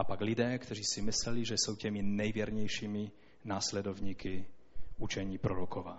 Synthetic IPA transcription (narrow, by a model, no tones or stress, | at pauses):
apaɡlid̪ɛːkt̪ɔɾiːsimislɛliʒɛsuwcɛminɛjʋɪɛɾɲɛjʃiːmi | naːslɛd̪ɔwɲiːkiut͡ʃɛɲiːpɾɔɾɔkɔʋa̰